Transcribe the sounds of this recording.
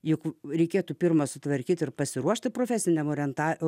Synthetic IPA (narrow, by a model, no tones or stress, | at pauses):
jʊkɾʲɛɪkʲeːt̪uːpʲɪrmɐsʊt̪ʋɐɾʲkʲiːt̪ɪrpɐsʲɪɾuɔʃʲt̪ʲɪpɾoːfʲæːsʲɪnʲɛmoːɾʲɛnt̪ɑː